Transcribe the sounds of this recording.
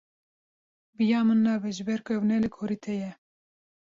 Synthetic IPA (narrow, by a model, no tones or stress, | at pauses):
bɨjɑːmɨnːɑːbɛʒɨbɛɾkʰøwnɛlɨkʰoɾiːt̪ʰɛjɛ